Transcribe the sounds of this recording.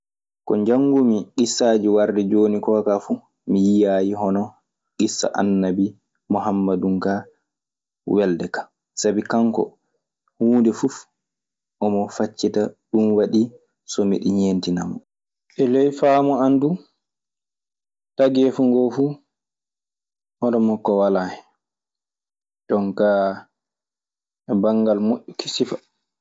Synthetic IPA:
kɔ̰ɲd͡ʒaŋːɡumiɡisːaːd͡ʒiwaɾdɛd͡ʒoːnikɔkafu | mijijajiɦɔnɔ | ɡisːa̰ʔa̰nːabi | mɔɦamːadumka | wɛldɛkḁ | sabikaŋkɔ̰ | huːndɛfuf | ʔɔmɔfat͡ʃːitaɗunwaɗi | sɔmḭɗiɲeːntina̰mɔ̰ | ʔɛlɛjfamɔandu | taɡɛfuŋɡɔfu | ʔɔnɔmɔkːɔwalahɛ | dɔŋka | ɛbaŋɡalmoʔːɔkʰi̥sifḁ

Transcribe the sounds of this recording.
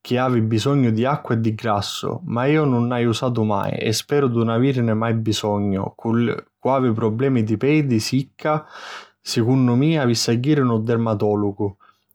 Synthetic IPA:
k̟ɪaːvibisɔɲːʊd̪iakːwaed̪ːiɡɾasːʊ̰maiːʊnʊnːajusaːt̪̬ʊma̰j̰ɛ̰spɛːɾʊd̪unaviːɾnɪmajbisɔɲːʊ̰kʰulkwaːvɪp̬ɾɔblɛːmid̪ipɛd̪isikʰːa | sɪkunːʊmiːavisaɡːiːɾɪnʊd̪ɛrmat̪ɔːlʊɡʊ

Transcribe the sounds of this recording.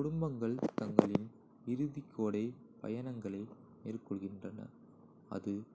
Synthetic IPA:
kʊɽʊmbɐŋɡɐɭt̪ɐŋɡɐɭɪn | ɪɾɯðikʰːoːɽɐɪ | pɐ̰jɐnɐŋɡɐɭɐɪ | meːrkɔɭɣɪndrɐnɐ̰ | ɐ̰ðɯ

